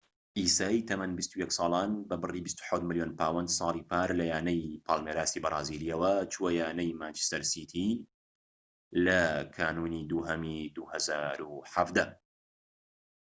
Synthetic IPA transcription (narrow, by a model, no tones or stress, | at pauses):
ʔiːsaːit̪ʰɐmɐnbist̪ujɛksˤɑːlˠaːnbɐbɨriːbist̪u̥ħawt̪mɨljoːnpʰaːwɐnd̪sˤɑːliːpʰaːɾlɐjaːnɐjpʰaːlˠmeɾaːst̪iːbɐrˤɑ̰ːziːliɐwɐt͡ʃʰuwɐjaːnɐjmaːnt͡ʃi̥st̪ɐɾsit̪ʰiː | lɐkʰaːnuːnid̪uːɦɐmid̪uhɐzaːɾuħafd̪ɐ